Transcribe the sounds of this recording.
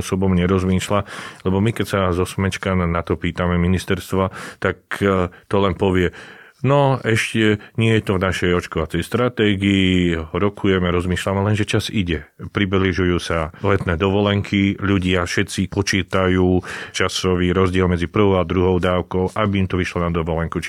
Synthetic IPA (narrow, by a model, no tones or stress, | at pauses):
sɔbɔmɲɛɾɔzmiːʃlalɛbɔmikɛcsazɔsmɛt͡ʃkannat̪ɔpiːt̪amɛminist̪ɛɾst̪ʋat̪akt̪ɔlɛnpɔʋɪɛ | nɔɛʃcɛɲɪɛjɛt̪ɔvnaʃɛjɔt͡ʃkɔʋat͡sɛjst̪ɾat̪ɛːɡiːɾɔkʰujɛmɛɾɔzmiːʃlamɛlɛnʒɛt͡ʃaziɟɛpɾibliʒujuːsalɛt̪nɛːd̪ɔʋɔlɛŋkʰiʎuɟɪafʃɛt̪t͡sipɔt͡ʃiːt̪ajuːt͡ʃasɔʋiːɾɔzɟɪɛlmɛd͡zipr̩ʋɔʊad̪ɾuɦɔʊd̪aːʊkɔʊʔabiːmt̪ɔʋiʃlɔnad̪ɔʋɔlɛŋkut͡ʃ